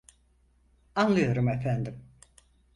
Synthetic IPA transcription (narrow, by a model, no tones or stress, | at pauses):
anlˠɯjo̞ɾumefænd̪im